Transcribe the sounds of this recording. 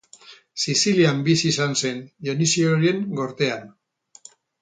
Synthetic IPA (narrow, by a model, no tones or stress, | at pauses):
sisiliambisisanse̞njonisioɾie̞ŋɡo̞ɾt̪e̞an